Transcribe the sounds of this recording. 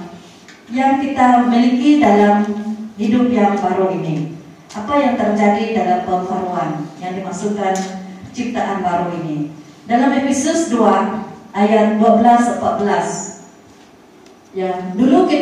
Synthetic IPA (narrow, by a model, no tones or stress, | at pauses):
jaŋkit̪amilikidalamhidʊp̚jaŋbaɾuini | ʔapajaŋt̪ərd͡ʒadidalampəŋfaɾuanjaŋdimaksukant͡ʃip̚t̪aʔanbaɾuini | dalamepisʊsduaʔajat̪̚duabəlasəmpat̪̚bəlas | jaŋduluki